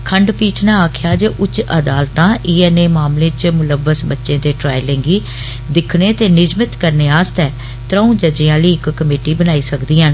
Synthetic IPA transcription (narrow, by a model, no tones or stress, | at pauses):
kʰəɳɖpiːʈʰnãːaːkʰjaːd͡ʒəʔʊt͡ʃəd̪aːlt̪ãːʔiːɛːneːmaːmlẽːt͡ʃmʊləʋːəsbətːʃẽːt̪eːʈɾaːilẽːŋɡiː | d̪ɪkʰɽeːt̪eːnɪd͡ʒmɪt̪kəɾneːaːst̪ɛː | t̪ɾəũːd͡ʒəd͡ʒɪjãːliːɪkːəmeːʈiːbənaːiːsəkd̪iːaːn